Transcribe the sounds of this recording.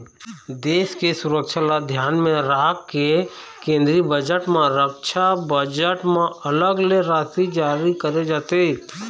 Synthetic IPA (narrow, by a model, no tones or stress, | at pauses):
d̪eːskesʊɾəkʃʰalad̪ʱjaːnmẽɾaːkkːe | kẽːnd̪ɾibəd͡ʒəʈmẽɾəkʃʰabəd͡ʒəʈmẽələɡleɾaːt̪id͡ʒaːɾikəɾed͡ʒaːt̪e